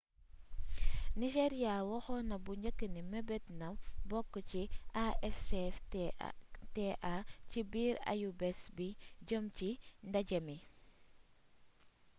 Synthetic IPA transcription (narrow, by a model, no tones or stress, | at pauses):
niʃeɾjawɔxɔnɐbuɲəkːəniməbɛtnɐmbɔkːəciʔaɛfs | teʔacibiːɾa̰jubɛsbiɟəmcindɐɟɐmi